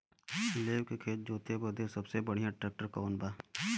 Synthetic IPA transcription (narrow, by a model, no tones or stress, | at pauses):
leːbkekʰeːt̪̚d͡ʒoːt̪ebəd̪esɐbsebəɽ̤ijãʈɾeːk̚ʈəɾkɔːnbaː